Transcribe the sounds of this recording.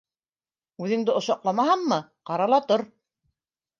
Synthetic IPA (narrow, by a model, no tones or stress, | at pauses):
ʉðɘ̆ŋd̪ɘŏʃɑqlˠɑmɑɦɑɴːɤqɑɾɑlˠɑt̪oɾ